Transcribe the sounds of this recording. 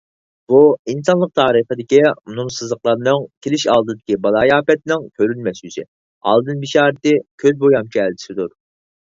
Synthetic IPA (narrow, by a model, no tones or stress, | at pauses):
b̥uinsɑnlˠəq̚t̪ʰɑːɾɨχəd̪ɪkʲimunumsɨzlˠəqlˠɑɾnɨŋkʲʰelɪʃɑ̰lˠd̪ɨd̪ɪkʲibɑlˠɑːjɑːpɛt̪nɪŋkʲʰøɾylmɛsyzɪ̰ | ɑ̰lˠd̪ɨnbiʃɑːɾɪt̪ɪkʲʰøzbojɑmt͡ʃʰiɛlt͡ʃʰɪ̥sɪd̪uɾ